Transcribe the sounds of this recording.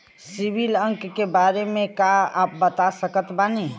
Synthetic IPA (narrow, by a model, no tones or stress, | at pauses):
sibʱiləŋkːebaɾemẽkaap̚bət̪asəkət̪bani